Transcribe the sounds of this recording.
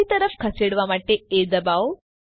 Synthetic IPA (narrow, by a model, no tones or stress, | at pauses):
it̪əɾəfkʰɐseɽʋamaʈeed̪ɐbaʋ